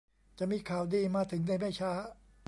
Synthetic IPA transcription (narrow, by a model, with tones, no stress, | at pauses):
t͡ɕa˨˩ʔmiː˧kʰaː˨˩wdiː˧maː˧t̪ʰɯ˩˦ŋna˧jma˥˩jt͡ɕʰaː˦˥˩